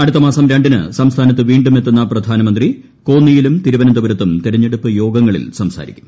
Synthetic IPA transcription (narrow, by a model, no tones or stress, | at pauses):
ɐɽut̪ːɐmaːsɐmɾaːɳɖinɨ̰sɐmst̪ʰaːnɐt̪̬ːɨʋiːɳɖume̞t̪ːunːɐprɐd̪ʱaːnɐmɐnd̪ri | koːnːijilumt̪iɾubɐnɐnd̪uʋɐɾɐt̪ːumt̪iɾɐɲːeɽupːɨjo̞ːɡɐŋːɐɭḭlsɐmsa̰ːɾḭkʲːu̥m